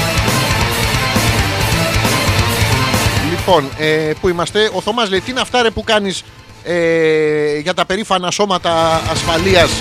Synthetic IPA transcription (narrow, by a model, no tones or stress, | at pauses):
lipo̞nepuimɐst̪e̞o̞θo̞mɐzle̞it̪inɐft̪ɐɾepukɐnis | e | ʝɐt̪ɐpe̞ɾifɐnɐso̞mɐt̪ɐːsfɐliɐs